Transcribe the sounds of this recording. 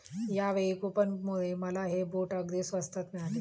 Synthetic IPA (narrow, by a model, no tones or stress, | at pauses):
jaʋekupənmoɭeməlaɦeboʈəɡd̪isʋəst̪ʰət̪meale